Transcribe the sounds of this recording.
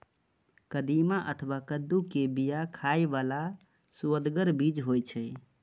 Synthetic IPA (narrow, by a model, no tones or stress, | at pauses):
kəd̪imaʔət̪ʰwakəd̪ːukebijakʰajbala | suəd̪ɡəɾbid͡ʒɦojt͡ʃʰəj